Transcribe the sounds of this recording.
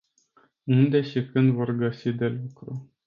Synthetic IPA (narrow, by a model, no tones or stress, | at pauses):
und̪e̞ʃikɨnd̪vo̞rɡəsid̪e̞lukɾu